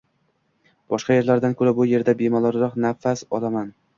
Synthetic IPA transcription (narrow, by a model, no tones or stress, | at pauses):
b̥ɒʃqɑje̞ɾlaɾd̪ankʰɵɾabʊje̞ɾd̪abemɒlˠɒɾɾɒqnafasɒ̰lˠaman